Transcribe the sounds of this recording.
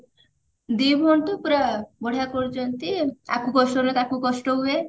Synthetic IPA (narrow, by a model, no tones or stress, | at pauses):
d̪ibʱɔɳʈ̪upuɾabɔɽ̤ʱakɔɾd͡ʒɔnt̪iakukɔsʈɔɾet̪akukɔʃʈɔɦue